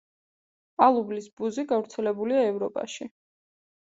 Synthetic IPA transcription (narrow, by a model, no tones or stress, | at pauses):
alˠublisbuziɡavɾt̪sʰɛlɛbuliaɛvɾɔpʼa̰ʃi